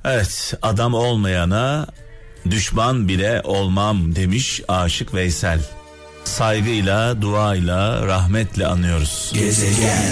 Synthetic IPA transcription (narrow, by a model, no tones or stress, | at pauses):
evɛt̪ad̪amo̞lˠmajana | d̪yʃmanbilʲɛʔo̞lˠmamd̪e̞miʃaːʃɯkvɛjsælʲ | sajɡɯjlˠad̪uaːjlˠaɾaɦmɛt̪lʲɛa̰nːɯjo̞ɾuz̥